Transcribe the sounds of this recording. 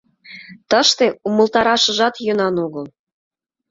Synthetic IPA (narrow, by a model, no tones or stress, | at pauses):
t̪əʃt̪eumə̆lt̪ɑɾɑʃɤ̆ʒɑt̪jɤnɑnoɣɤl